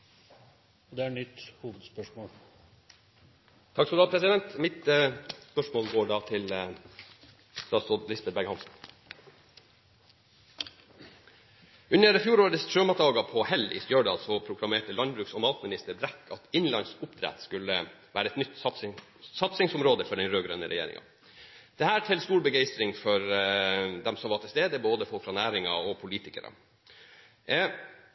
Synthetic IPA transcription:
d̪ɛæɳʏt̪ːhuːʋəd̪spœʂmoːl | t̪ʰɑksɔd̪ɑːpʰɾɛsɪd̪ɛnt̪mɪt̪əspœʂmoːlɡoːɖɑːt̪ʰɪl | st̪ɑːsɔlɪsbɛbæɡhɑnsn̩ | ʉnəɾəfjuːɾoːɾəsʃøːmɑt̪d̪ɑːɡɑpʰɔhɛlɪ̰st̪jøːɖɑ̰ːlsɔpʰɾʊkʰlɑmeːʈəlɑnbɾʉːksɔmɑːt̪mɪnɪst̪əɾbɾɛkːɑt̪ɪnlɑ̰nsʊpd̪ʰɾɛ̰t̪skʉləʋæːɾəɛt̪nʏt̪ː | sɑt̪sɪŋsʊmɾoːd̪əfɔɖɛnɾøːɡɾœ̰nəɾɛ̰jḛːɾɪ̰ŋʔɑ̰ | d̪̥ɛhæːʈʰɪlst̪uːɾbəɡeɪst̪ɾɪŋfɔɾ | d̪ɛmsɔmʋɑʈʰɪlst̪eːd̪əboːd̪əfɔlkfɾɑnæːɾɪŋɑɔpʰʊliːt̪ɪkə̰ɾə̰

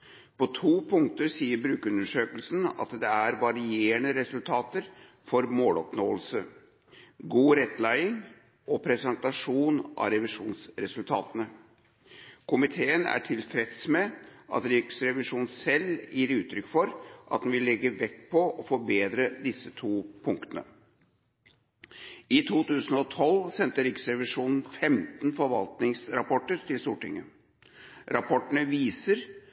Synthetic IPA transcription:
pʰɔt̪ʰuːpʰʊŋt̪əɾsiːəɾbɾʉːkʉnəʂøːkəlsn̩ɑ̰t̪d̪ɛæɾʋɑɾɪeːəɳəɾɛsʉlt̪ʰɑːt̪əɾ | fɔɾmoːlɔpnoːəlsə | ɡuːɾɛt̪ːlæɪɪŋ | ʔɔpʰɾɛsənt̪ɑʂuːnʔɑ̰ɾɛʋɪʂuːnsɾɛsʉlt̪ʰɑːt̪ənə | kʰʊmɪt̪ʰeːənæ̰ʈʰɪlfɾɛt̪smɛʔɑ̰t̪ɾɪksɾɛʋɪʂuːnsɛlːjʔiːɾʉːt̪ʰɾʏkːfɔɾʔɑt̪̚d̪ɛnʋɪlːɛɡːəʋɛkpʰɔɔfɔbeːd̪ɾəd̪ɪsət̪ʰuːpʰʊŋk̚t̪ənə̰ | ɪt̪ʰuːt̪ʉːsənɔt̪ʰɔlsɛnt̪əɾɪksɾɛʋɪʂuːnn̩fɛmt̪nfɔɾʋɑ̰lt̪nɪŋsɾɑpʰɔʈːəɾt̪ʰɪlst̪uːʈɪ̰ŋːə | ɾɑpʰɔʈːəɳəʋiːsəɾ

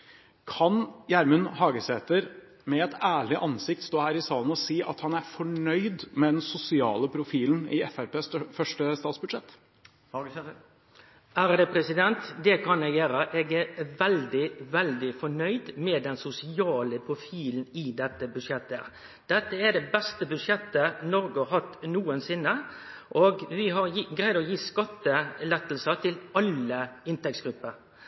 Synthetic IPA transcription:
kʰɑnjæɾmʉnhɑːɡəseːt̪əɾ | mɛɛt̪æːɭɪʔɑnsɪk̚t̪st̪oːhæːɾɪsɑːln̩ɔsiːʔɑ̰t̪hɑnæɾfɔɳœʏd̪mɛd̪ɛnsʊsɪɑ̰ːləpʰɾʊfiːln̩ɪɛfæɾpeːsfœʂʈəst̪ɑːt̪sbʉd̪ʂɛt̪ː | æːɾd̪ɛpʰɾɛsɪd̪ɛnt̪d̪ɛkʰɑnɛɡeːɾəʔeːɡæɾʋɛld̪ɪʋɛld̪ɪfɔɳœʏd̪mɛːd̪ɛnsʊsɪɑːləpʰɾʊfiːln̩ɪd̪ɛt̪ːəbʉd̪ʂjɛt̪ːə | d̪̥ɛt̪ːəæd̪ɛbɛst̪əbʉd̪ʂjɛt̪ːənɔɾɡʊhɑt̪ːnuːənsɪnːəʔoːɡʋɪɦɑɾjiːɡɾæɪd̪ɔjiːskɑt̪ːəlɛt̪ːl̩sət̪ʰɪlɑləɪnt̪ɛksɡ̥ɾʉpːəɾ

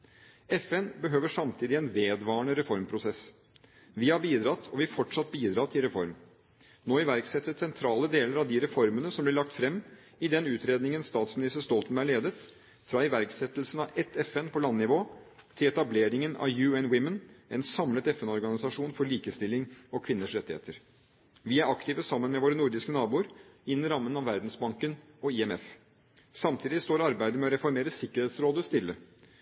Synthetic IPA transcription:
ɛfɛnbəɦøːʋəʂɑmt̪ʰiːd̪ɪɛnʋeːd̪ʋɑːɳəɾɛfɔɾmpʰɾʊsɛs | ʋɪhɑɾbiːd̪ɾɑt̪ʰɔʋɪfɔʈʂɑt̪̚biːd̪ɾɑːt̪ʰɪlɾɛfɔɾm | noːɪʋæɾksɛt̪ːət̪sɛnt̪ʰɾɑːləd̪eːləɾɑʋd̪ɪɾɛfɔɾmənəsɔmblɪɭɑk̚t̪fɾɛmː | ɪd̪ɛnʉːt̪ɾeːd̪nɪŋənst̪ɑːt̪smɪnɪst̪əɾʂt̪ɔlt̪ən̩æɭeːd̪ət̪ | fɾɑɪʋæɾksɛt̪lsn̩ɑʔɛt̪ʰɛfɛnpʰɔlɑnːɪʋoːt̪ʰɪlɛt̪ɑbleːɾɪŋənɑ̰ʋjʉːɛnwɪmənʔɛnsɑmlət̪ɛfɛnɔɾɡɑnɪsɑʂuːnfɔɭiːkəst̪ɪlːɪŋɔkʰʋɪnːəʂɾɛt̪ːɪhḛːt̪əɾ | ʋɪæɾɑkt̪iːʋəsɑmːənmɛʋoːɾənʊɾd̪ɪskənɑːbuːɾɪnːɪɾɑmːənɑʋʋæɾd̪n̩sbɑŋkən | ɔɪɛmɛf | sɑmt̪ʰiːd̪ɪst̪oːɾɑɾbæɪd̪əmɛɔɾɛfɔɾmeːɾəsɪkːəɾheːt̪sɾoːd̪əst̪ɪlːə

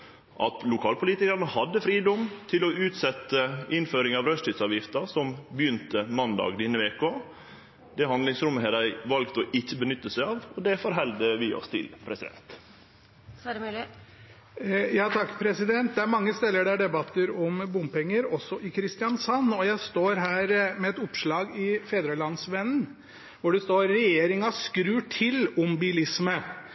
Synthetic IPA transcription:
ʔɑt̪lʊkʰɑːlpʰʊliːt̪ɪkəɑɾnəhɑd̪ːəfɾiːd̪ɔmt̪ʰɪlɔʉːt̪sɛt̪ːəʔɪnføːɾɪŋɑʋɾœsʈɪt̪sɑːʋjɪft̪əsɔmbəjʏnt̪əmɑnd̪ɑ̰ːɡd̪ɪnːəʋeːkoː | d̪ɛɦɑnd̪lɪŋsɾʉmːəhɛd̪æɪʋɑlkt̪ɔʔɪçːəbənʏt̪ːəsæɪɑːʋɔd̪ɛfɔɾɦɛld̪əʋɪɔ̰st̪ʰɪ̰lpʰɾɛsɪd̪ɛ̰nt̪ | jɑːt̪ʰɑkːpʰɾɛsɪd̪ɛnt̪̚d̪ɛæɾmɑŋːəst̪ɛlːəɖæɖɛbɑt̪ːəɾɔmbʊmpɛŋːəɾɔsːɔʔɪkʰɾɪst̪ɪjɑnsɑnːɔjæɪst̪oːɾɦæːɾmɛɛt̪ʊpʂɭɑːɡɪfeːd̪ɾəlɑnsʋɛnn̩ | ʋʊɖɛst̪oːɾːɛjeːɾɪŋɑskɾʉːʈʰɪlʊmbɪlɪsmə

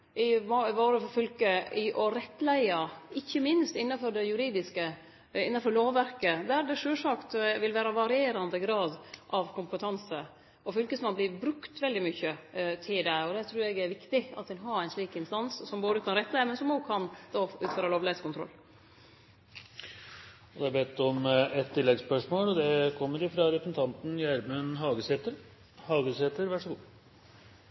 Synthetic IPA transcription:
ɪʋʋoːɾəfɔfʏlkəɪʔɔɾɛt̪ːlæɪɑɪçːəmɪnst̪ɪnːɑfɔɾd̪ɛjʉɾiːd̪ɪskə | ɪnːɑnfɔɭoːʋːæɾkəd̪æɾd̪ɛʂøːlʂɑkt̪ʋɪlʋæːɾɑʋɑɾɪeːɾɑnd̪əɡɾɑːd̪ʔɑʋkʰʊmpət̪ʰɑnsə | ɔfʏlkəsmɑnblɪbɾʉkt̪ʋɛld̪ɪmʏçːət̪ʰɪld̪æɪɔd̪ɛt̪ʰɾʉːɾɛɡæɾʋɪkt̪ɪɑt̪ɛnɦɑɾæɪnsɭiːkɪnst̪ɑnssɔmboːd̪əkʰɑnɾɛt̪ːəd̪æmɛnsɔmokʰɑnd̪oʉːt̪føːɾəloːʋlɪɛt̪skʊnt̪ɾɔ̰lː | ɔd̪ɛæɾbɛːt̪ːɔmɛt̪ʰːɪlːɛɡspœʂmoːlɔd̪ɛkʰɔmːəɾɪfɾɑɾɛpən̩t̪ʰɑnt̪n̩jæɾmənɦɑːɡəseːt̪əɾ | hɑːɡəsheːt̪əɾʋæʂəɡṵː

